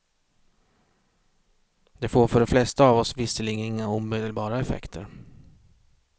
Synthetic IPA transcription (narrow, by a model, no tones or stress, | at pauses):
d̪ɛfoːɾfœɖɛflɛst̪aːvɔsvɪsəlɪːɡənɪŋːauːmed̪əlbɑːɾaɛfɛ̰kt̪ʰəɾ